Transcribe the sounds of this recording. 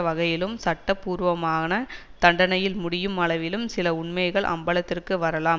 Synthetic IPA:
ʋɐɣɐjɪlɯmsɐʈːɐpːuːɾʋɐmaːnɐt̪ɐɳɖɐnɐjɪlmʊɽɪjɯmɐɭɐʋɪlɯmsɪlɐʊɳmɐɪɣɐɭʔɐ̰mbɐlɐt̪ːɪrkɯʋɐɾɐlaːm

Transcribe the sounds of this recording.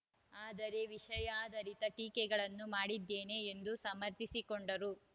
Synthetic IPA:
aːd̪ɐɾe̞ʋiʂɐjaːd̪ɐɾit̪ɐʈiːkɛɡɐɭɐnːumaːɽid̪ːeːne̞ːnd̪usɐmɐɾt̪isikoɳɖɐɾu

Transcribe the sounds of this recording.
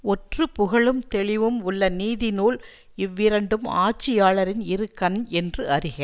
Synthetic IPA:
ɔʈrɯpʊɣɐɭɯmt̪ɛɭɪʋɯmʊɭːɐniːðɪnuːl | ɪʋːɪɾɐɳɖɯmaːt͡ʃːɪjaːɭɐɾɪnɪɾɯkːɐnɛndrɯɐɾɪɣɐ

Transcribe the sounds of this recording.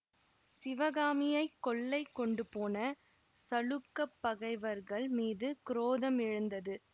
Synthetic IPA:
sɪʋɐɣaːmɪjɐɪkːɔɭːɐɪkːɔɳɖɯpoːnɐ | sɐɭɯkːɐpːɐɣɐɪʋɐɾɣɐɭmiːðɯkɪɾoːðɐmɪɻɯnd̪ɐðɯ

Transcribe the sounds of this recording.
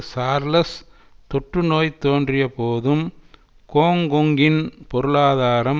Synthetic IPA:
saːɾlɐs | t̪ɔʈːrɯnoːjt̪oːndrɪjɐpoːðɯm | koːŋɡɔŋɡɪnpɔɾɯɭaːðaːɾɐm

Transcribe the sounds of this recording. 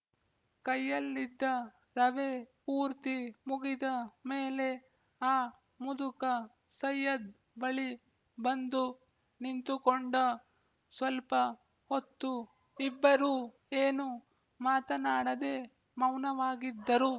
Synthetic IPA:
kɐjːɐlːid̪ːɐ | ɾɐʋepuːɾt̪imuɡid̪ɐmeːle̞ | aː | mud̪ukɐ | sɐjːɐd̪̚ | bɐɭi | bɐnd̪u | nint̪ukoɳɖɐ | sʋɐlpɐ | hot̪ːu | ibːɐɾuː | eːnu | maːt̪ɐnaːɽɐd̪e̞ː | mɐwnɐʋaːɡid̪ːɐɾu

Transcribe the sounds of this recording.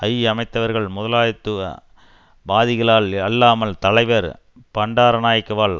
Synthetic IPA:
ɐjɐmɐɪt̪ːɐʋɐɾɣɐɭmʊðɐlaːjɐt̪ːɯʋɐ̰ | baːðɪɣɐɭaːɭɐlːaːmɐlt̪ɐɭɐɪʋɐɾ | pɐɳɖaːɾɐnaːjɐkːɯʋaːɭ

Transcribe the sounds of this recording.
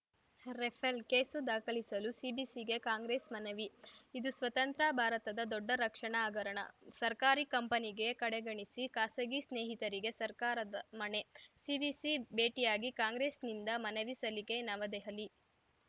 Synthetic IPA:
ɾefʰelkeːsud̪aːkʰɐlisɐlusibisiɡe̞kaːŋɡɾeːsmɐnɐʋiid̪usʋɐt̪ɐnt̪ɾabʱaːɾɐt̪ɐd̪ɐd̪ɔɖːɐɾɐkʂɐɳaaːɡɐɾɐɳɐ̰sɐɾkaːɾikɐmpɐniɡe̞kɐɽeɡɐɳisikaːsɐɡisneːɦit̪ɐɾiɡe̞sɐɾkaːɾɐd̪ɐmɐne̞sibisibeːʈijaːɡikaːŋɡɾeːsnind̪ɐmɐnɐʋisɐlike̞nɐʋɐd̪ɛɦɐli

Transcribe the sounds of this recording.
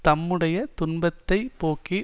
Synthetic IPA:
t̪ɐmːɯɽɐjɐt̪ʊɳbɐt̪ːɐɪpoːki

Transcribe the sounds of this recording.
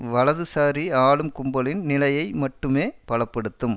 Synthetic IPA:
ʋɐlɐðɯsaːɾiaːlɯmkʊmbɐlɪnnɪlɐjɐɪmɐʈːɯmeːpɐɭɐpːɐɽɯt̪ːɯm

